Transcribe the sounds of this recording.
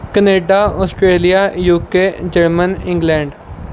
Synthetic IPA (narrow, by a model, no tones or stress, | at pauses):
kəneːɖaːɔːsʈɾeːlijaːjuːkeːd͡ʒəɾmənɪ̃ŋɡlɛ̃ːɳɖ